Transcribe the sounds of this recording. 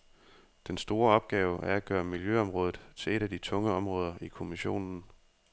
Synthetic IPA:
d̥ensd̥o̝ːɐɒ̽b̥̚ɡ̥ɛːʊʔæɐæɡ̥ɶːɐmiljøɒ̽mʁɔ̽ːð̩ˠt͡sʰe̝le̝ɾæd̥it͡sʰɔ̽ŋəɒ̽mʁɔ̽ːð̞ˠɐʔikʰo̝miɕo̝̰ːnn̩

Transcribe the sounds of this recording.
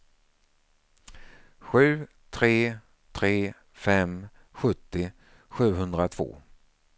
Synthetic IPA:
ɧʉ̟ː | t̪ʰɾeː | t̪ʰɾeː | fɛm | ɧɵt̪ːɪ | ɧʉ̟ːɦɵnd̪ɾat̪ʰv̥o̰ː

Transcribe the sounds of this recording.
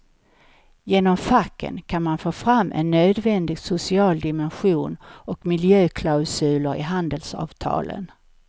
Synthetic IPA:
jeːnɔmfakːə̰nkʰanmanfoːfɾamːʔɛ̰nːøːd̪vɛnd̪ɪɡsʊsɪɑːld̪ɪmɛnɧuːnɔkmɪljøːkʰlaʊsʉ̟ːləɾɪ̰ɦand̪əlsɑ̰ːvt̪ʰɑ̰ːlə̰n

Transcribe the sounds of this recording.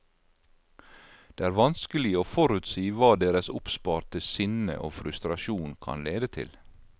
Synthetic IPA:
d̪̥eːæːɾʋɑnskəlɪoːfɔɾʉt̪siːʋɑːd̪eːɾəsʊpspɑːɾt̪əsʏnə̰ʔo̰ːfɾʉst̪ɾɑʃuːnkʰɑ̰nleːd̪ət̪ʰɪ̰l

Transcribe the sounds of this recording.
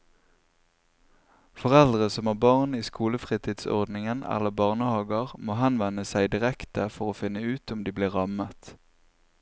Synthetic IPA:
fɔʁɛld̪ʁəsɔmæːʁbɑʁniːskuːləfʁiːt̪ʰiːd̪sɔ̰ʁd̪nɪŋənɛ̰ləbɑːʁnəhɑːɡəʁmoːhɑnʋɛnəsæɪd̪ɪʁɛkt̪əfɔʁoːfɪnəʉːt̪ʊmd̪iːbliːʁɑmət̪

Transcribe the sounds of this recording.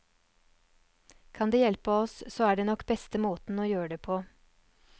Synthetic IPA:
kʰɑnd̪eːjɛlpəɔssoːæːɖeːnɔkbɛst̪əmoːt̪n̩oːjøːɖeːpʰoː

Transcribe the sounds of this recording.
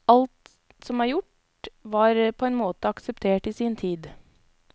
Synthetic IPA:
ɑlt̪ | sɔmæːɾjʊʈ | ʋɑːɾpʰɔɛnmoːt̪əɑksɛpt̪ʰeːʈiːsiːnt̪ʰiːd̪

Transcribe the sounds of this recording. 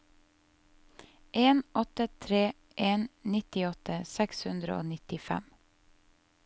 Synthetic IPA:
ʔeːnɔt̪ət̪ʰɾeː | ʔeːnnɪt̪ɪɔt̪ʰəsɛkshʉnd̪ɾə̰o̰ːnɪt̪ɪfæ̰m

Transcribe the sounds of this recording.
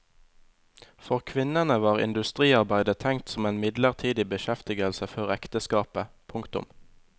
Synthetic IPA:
fɔʁkʰʋɪnənəʋɑːʁɪ̰nd̪ʉst̪ʁiːɑʁbæɪd̪ət̪ʰɛŋ̚t̪sɔmeːnmɪd̪ləʁt̪ʰiːd̪ɪbəʃɛft̪ɪɡəlsəfɔʁɛkt̪əskɑːpə | pʰʊŋkt̪ʊ̰m

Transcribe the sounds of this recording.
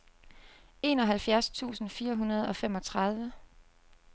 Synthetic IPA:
e̝̰ːnɒ̽ɦælfjæɐst͡sʰṵːsn̩fiːɐɦunɐð̞̩ˠɒ̽fem̰ɒ̽t͡sʰʁɑ̈ð̞ˠʋə

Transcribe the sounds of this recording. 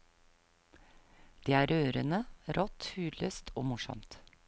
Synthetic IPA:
d̪̥eːæːɾøːɾənəɾɔt̪hʉːd̪løːst̪ʰoːmʊʃɔ̰mt̪

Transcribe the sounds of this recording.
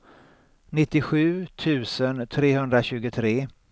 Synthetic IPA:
nɪt̪ːɪɧʉ̟ːt̪ʰʉ̟ːsənt̪ʰɾeːɦɵnd̪ɾaɕʉ̟ːɡʊt̪ʰɾeː

